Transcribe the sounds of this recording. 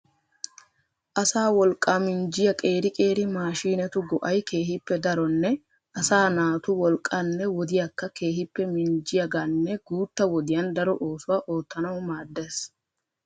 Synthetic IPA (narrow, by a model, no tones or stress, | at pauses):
ʔɐsaːwɔlkʼːamɪnd͡ʒɪjɐkʼe̞ːɾɪkʼe̞ːɾɪmaːʃiːnɛt̪ʊɡɔʔɐjke̞ːɦɪpːɛd̪ɐɾɔnːɛ | ʔɐsaːnaːt̪ʊwɔlkʼːɐnːɛwɔd̪ɪjɐkːɐke̞ːɦɪpːɛmɪnd͡ʒɪjɐɡɐnːɛɡuːt̪ːɐwɔd̪ɪjɐnd̪ɐɾɔʔoːsʊwaːʔoːt̪ːɐnɐwʊmaːd̪ːeːs